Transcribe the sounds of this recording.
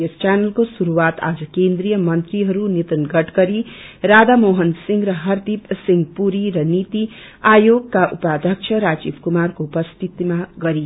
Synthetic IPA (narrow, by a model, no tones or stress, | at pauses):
ʌst͡ʃanʌlkosuɾuwat̪a̰d͡zʌkend̪ɾijʌmʌnt̪riɦʌɾunit̪ʌnɡʌʈɡʌɾiɾad̪amoɦʌnsiŋɡɾʌɦʌrd̪ipsiŋɡpuɾiɾʌnit̪i | ajoɡkaʔupad̪ʱjʌk̚t͡ʃʰʌɾad͡zibʰkumarkoupʌst̪ʰit̪imaɡʌɾi